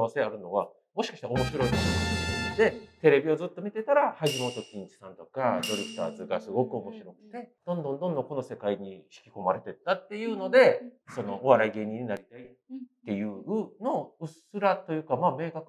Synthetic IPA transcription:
βase̞aɾɯ̟no̞βa | mo̞ɕi̥kḁɕi̥taomo̞ɕiɾo̞iaad̪e̞t̪e̞ɾe̞bʲio̞zɨt̪ːo̞mʲit̪e̞t̪aɾahaʑimo̞ːt̪o̞kʲĩɲt͡ɕi̥sãnt̪o̞kad̪o̞ɾʲɯɸɯ̥t̪a̰ːzɨɡasɨɡo̞kɯ̟o̞mo̞ɕiɾo̞kɯ̟̥t̪e̞d̪̥õ̞nd̪õnd̪õnd̪õ̞ŋko̞no̞se̞kaiɲ̟iɕi̥kʲi̥ko̞maɾe̞t̪e̞t̪ːat̪ːe̞jɯ̟ːno̞d̪e̞so̞no̞ːβaɾaiɡe̞ːɲ̟ĩɲ̟inaɾʲit̪ai | t̪ːe̞jɯ̟ːɯ̟noɯ̟sɨɾat̪o̞jɯ̟ːkamaːme̞ːkakɯ̟

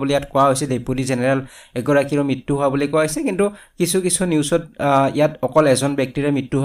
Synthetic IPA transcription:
bulijatkɔwaɦojsɛdepudizɛnɛɹɛlɛɡɔɹakiɹɔmɹitːuɦʊabulikɔwaɦojsɛkintukisʰukisʰuniuwsɔtijatɔkɔlɛzɔnbɛk̚tiɹɛmɹitːuɦ

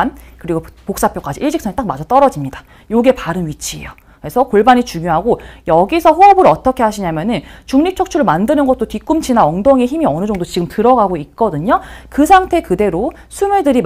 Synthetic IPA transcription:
nkɯɾiɡopok̚s͈apʰjok͈ad͡ʑiʔiɭɕʰik̚s͈ʰaɲit͈ak̚mad͡ʑʰʌt͈ʌɾʌd͡ʑimɲida | joɡe̞paɾɯnɥit͡ɕʰiḛjo | ke̞sʰʌkoɭbaɲit͡ɕuŋjoɦaɡojʌɡisʰʌɸoɦʌbɯɾʌt͈ʌkʰe̞ɦaɕʰiɲamjʌnɯnt͡ɕuŋɲip̚t͡ɕʰok̚t͡ɕʰuɾɯɭmandɯnɯnɡʌt̚t͈otik͈umt͡ɕʰinaʌŋdoŋeçimiʌnɯd͡ʑʌŋdot͡ɕiɡɯmtɯɾʌɡaɡoik̚k͈ʌdɯɲokɯsʰaŋtʰe̞kɯde̞ɾo | sʰumuɭdɯɾi

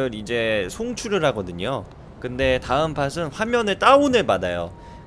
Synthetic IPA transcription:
ɯɾid͡ʑe̞sʰoŋt͡ɕʰuɾɯɾɦaɡʌdɯɲo | kɯnde̞taɯmpʰas̬ʰɯnɸwamjʌnɯɭt͈aunɯmadajo̰

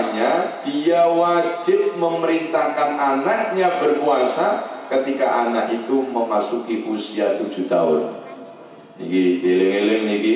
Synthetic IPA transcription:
ɲad̥iawad͡ʒɪp̚məməɾint̪ahkananak̚ɲabərkuasakət̪ikaʔanakit̪uməmasukiʔusiat̪u̥d͡ʒ̥ṳt̪a̰ʊ̰n | ḭkidelɪŋelɪŋniki

